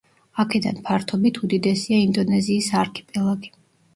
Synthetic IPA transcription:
akʰɛd̪a̰npʰaɾt̪ʰɔbit̪ʰud̪id̪ɛsiaind̪ɔnɛziːsaɾkʰɛ̥pʼɛlˠaɡi

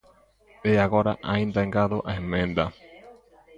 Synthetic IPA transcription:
eaɣoɾa̰ʔaĩnd̪aeŋɡaðoʔaemẽnd̪a

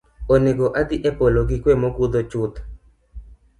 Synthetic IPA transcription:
oneɡoʔad̪iʔepoloɡikwemokud̪ot͡ʃut̪

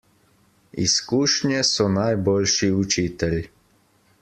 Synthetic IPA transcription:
ḭskuːʃnjɛsɔnajbolʃiut͡ʃiːt̪ɛl

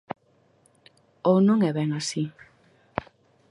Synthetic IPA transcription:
ownũŋɛβeŋasi

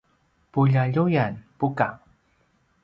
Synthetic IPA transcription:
puʎaʎujanpuka

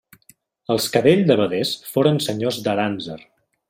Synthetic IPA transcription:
əlˠskəβeʎzd̪əβəðesfoɾənsəɲozd̪əɾanzər

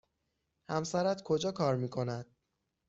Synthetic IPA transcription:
hæmsæɾæt̪kʰo̞d͡ʒɒːkʰɒːɾmiːkʰo̞næd̪̥

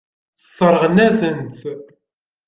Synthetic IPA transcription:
θəsˤːəɾˤʁənæzənt̪

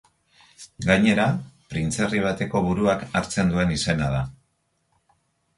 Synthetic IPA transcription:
ɡajɲe̞ɾapɾint͡se̞riβ̞at̪e̞ko̞βuɾuakaɾt͡se̞nd̪ue̞nise̞nað̞a

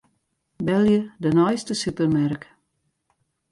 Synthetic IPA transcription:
bɛlˠjədənɔjstəsypərmark

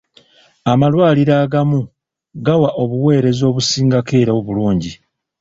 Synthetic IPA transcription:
amalwaːliɾaːɡamu | ɡawaʔo̞βuwe̞ːɾe̞zo̞ːβusiːŋɡake̞ːɾaoβuluːɲɟi

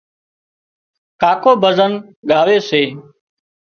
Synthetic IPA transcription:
kaːkoːbəzənɠaːʋeːseː

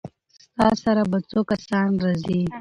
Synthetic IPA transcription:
st̪ɑsaɾabat͡sokasɑnɾazi

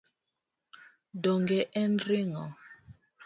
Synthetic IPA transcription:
doŋɡɛʔɛnɾiŋɔ

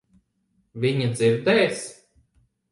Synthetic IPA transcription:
vʲiɲad̪ziɾd̪ɛːs

